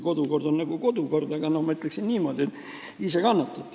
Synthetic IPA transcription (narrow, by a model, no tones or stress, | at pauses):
ko̞d̪uko̞rd̪o̞nːnɑɡuko̞d̪uko̞rd̪ɑɡ̥ɑnohmɑyt̪ːˑleksinniːmo̞ːd̪iet̪ːˑ | ise̞kɑnːɑt̪ːˑɑt̪ːˑ